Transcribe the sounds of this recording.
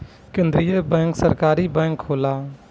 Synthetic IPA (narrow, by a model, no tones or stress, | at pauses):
kẽːnd̪ɾijəbɛ̃ːŋksəɾkaːɾibɛ̃ːŋkɦoːlaː